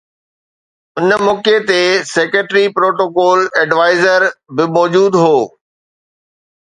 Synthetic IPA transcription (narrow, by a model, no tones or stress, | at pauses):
ʊnmɔːket̪eseːkəʈɾipɾoːʈoːkɔːlɛɖʋaːɪzəɾbɪmɔːd͡ʑuːd̪ɦoː